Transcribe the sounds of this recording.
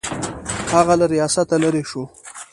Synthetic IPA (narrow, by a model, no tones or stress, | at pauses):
haɣalaɾijɑsat̪alaɾeʃo